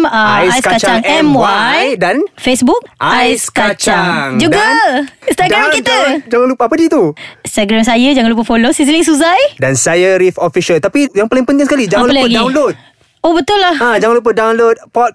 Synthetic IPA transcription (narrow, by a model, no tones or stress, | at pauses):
məjaiskakat͡ʃt͡ʃaŋɛmwajdanfesbuk̚aajskat͡ʃaŋŋd͡ʒuɡast̪aɡɾankiəd͡ʒaŋanlupapədit̪uĩst̪aɡɾamsajəd͡ʒaŋãnlup̬afolosis̬lɪŋs̬uzajdansajəɾifofiʃəlt̪apijaŋpalɪŋpənt̪ɪ̃ŋsəkalid͡ʒaŋanəlaəɡdawnlot̚ | obət̪ʊllahãd͡ʒaŋanlup̬ədawnlot̪̚pɔt̪̚